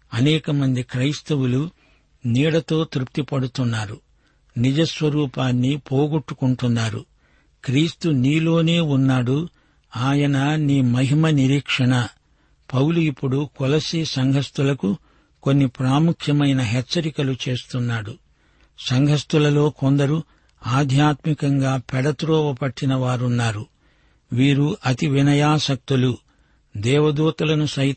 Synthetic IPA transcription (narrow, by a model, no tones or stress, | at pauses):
ɐnɛːkɐmɐnd̪ikɾɐjst̪ɐwulu | niːɽɐt̪o̞ːt̪ɾup̚t̪ipɐɽut̪unːaːɾṵ | nid͡ʒɐsʋɐɾuːpaːnːipoːɡuʈːukuɳʈunːaːɾṵ | kɾiːst̪uniːlo̞ːne̞ːunːaːɽu | aːjɐnɐniːmɐɦimɐniɾiːkʂɐɳɐ | pɐwluipːuɽukɔlɐsisɐŋɡʱɐst̪ulɐku | ko̞nːipɾaːmukʰjɐmɐjnɐɦɛt͡ʃːɐɾikɐlut͡ʃe̞ːst̪unːaːɽu | sɐŋɡʱɐst̪ulɐlo̞ːko̞nd̪ɐɾu | aːd̪ʱjaːt̪mikɐŋɡaːpɛɽɐt̪ɾɔːʋɐpɐʈːinɐʋaːɾunːaːɾu | ʋiːɾuʔɐt̪iʋinɐjaːsɐk̚t̪ulu | d̪ɛːʋɐd̪uːt̪ɐlɐnusɐ